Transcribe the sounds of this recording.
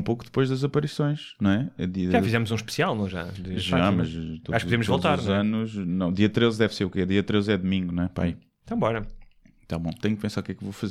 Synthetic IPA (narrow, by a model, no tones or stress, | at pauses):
ũpokuðɨpojʒðɐzɐpɐɾisõj̃ʃnɐ̃w̃ɛɐðiɐʒaafizɛmuzũʃpɨ̥sialˠnɐ̃w̃ʒa̰d̪ɨʒamɐʃt̪oaʃkpuðemuʒvolˠt̪aɾɾzɐnuʃnɐ̃w̃d̪iɐt̪ɾezðɛvseɾukɛðiɐt̪ɾezɛðumĩŋɡunw̃ɛpa̰i | t̪ɐ̃w̃bɔɾɐ | t̪abɐ̰̃w̃t̪ɛ̃ɲuk̚pẽsaɾukɛkevofɐze